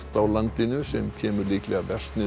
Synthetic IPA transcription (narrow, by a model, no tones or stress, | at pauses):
t̪awlant̪ɪnʏsɛmcʰɛːmʏɾliːklɛɣavɛr̥st̪nɪ